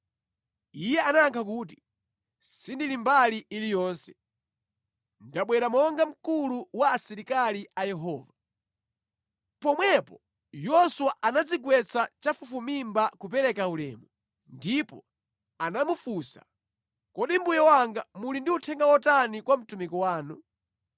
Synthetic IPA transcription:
ijɛanaaŋkʰak̬uːt̬i̥ | sindilimbaliilijɔːnsɛ̥ | ndaɓwɛɾamɔŋɡam̩kuluwaːsiɾikaliajɛɦɔːva | pɔmwɛpɔ | jɔsuwaʔanad͡ziɡwɛt͡sʰat͡ʃafufumimbakupɛɾɛkaulɛ̰ːmu | ndipɔ̰ | anamufusa̰ | kɔɗimbujɛwaŋɡamulindiutʰɛŋɡawɔtanikwam̩tumikɔwaːnu

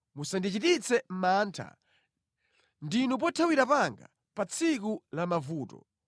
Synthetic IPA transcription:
musandit͡ʃitit͡sɛm̩maːntʰa̰ | ndinup̬ɔtʰawiɾapaŋɡa̰ | pat͡sʰik̬ulamavuːtɔ̰

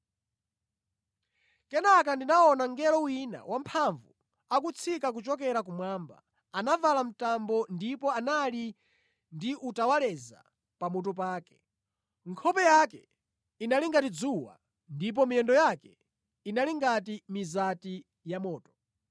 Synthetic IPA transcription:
kɛnak̬andinaɔnaŋɡɛlɔwina̰wam̩pʰaɱvu | akut͡sʰikak̬ut͡ʃɔkɛɾak̬umwaːmba̰ | anavalam̩tambɔndipɔanali | ndiʔutawalɛza̰ | pamut̬upaːkɛ̥ | ŋkʰɔpɛjakɛ | inaliŋɡatid͡zuwa̰ | ndip̬ɔmijɛndɔjakɛ | inaliŋɡatimizati | jamɔːtɔ̥

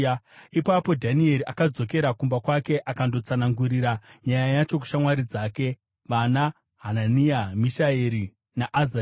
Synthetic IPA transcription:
ipapo̞dʱanie̞ɾiʔakad͡zo̞keɾakumbakwake̞ʔakando̞t͡sanaŋɡuɾiɾaɲajajat͡ʃo̞ku̥ʃamwaɾid͡zaːke̞ | ʋana | ɦananiamiʃaeɾi | naʔːza

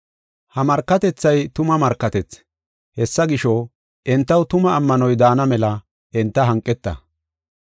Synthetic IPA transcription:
hɐmɐɾkːɐt̪ɛt͡sːɐjt̪ʊmɐmɐɾkːɐt̪ɛt͡s | hɛsːɐɡɪʃo | ʔɪnt̪ːɐwt̪ʊmɐːmːɐnɔjd̪aːnɐmɛlɐ | ɪnt̪ːɐɦɐŋkʼːɛt̪ːɐ̰

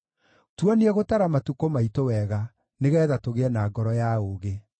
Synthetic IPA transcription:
twaneɛɣotaɾamatukomaitowɛɣa | neɣɛːðatoɣeɛnaɡɔɾɔjaoːɣe

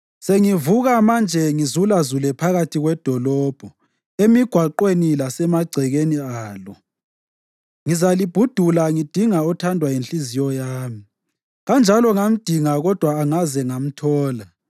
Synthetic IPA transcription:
seŋivuɣamand͡ʒʱɛŋizulazulɛpʰaɣatʰiɣwɛd̥ʱɔlɔːb̥ʱɔ | emiɡ̥ʱwaǃwenilasɛmaɡ͡ǀʱɛɣeniaːlɔ | ŋizalib̥ʱud̥ʱulaŋid̥ʱiŋaɔtʰandʱwajinɬizijɔjaːmi | ɣand͡ʒʱalɔŋam̩d̥ʱiŋaɣɔd̥ʱwaːŋazɛŋam̩tʰɔːla

